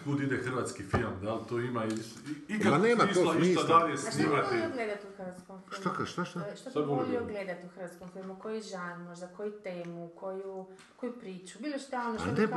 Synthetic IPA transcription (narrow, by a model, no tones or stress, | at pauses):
kud̪id̪exɨɾvat̪skifilˠmd̪alˠt̪oimaiʃikanemaiʃoiʃid̪aesnimat̪eioɡled̪at̪iuxɾʋat̪skomfiiʃlmakaʃt̪aʃt̪aʃt̪osoboolioɡled̪at̪iuxɾ̩ʋat̪skomfilˠmukojuʒanmoʒd̪akojut̪eːmukʰoju | kojupɾiːt͡ʃubilˠeʃt̪anoʃe